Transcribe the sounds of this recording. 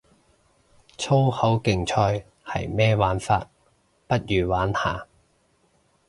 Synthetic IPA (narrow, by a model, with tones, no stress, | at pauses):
t͡sʰo˥whɐ˨˥wkɪ˨ŋt͡sʰɔː˧j | hɐ̰˨˩jmɛː˥waː˨˥nfaː˧t̚ | pɐ˥t̚jyː˨˧waː˨˥nha̰ː˨˩